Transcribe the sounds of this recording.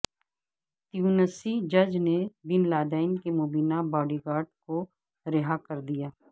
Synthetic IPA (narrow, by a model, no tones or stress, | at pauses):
t̪ijuːnəsid͡ʒɐd͡ʒnebɪnlaːd̪aːɪnkemoːbiːnabɔːɖiɡaːɾɖko | ɾɪɦakɐɾd̪ijaː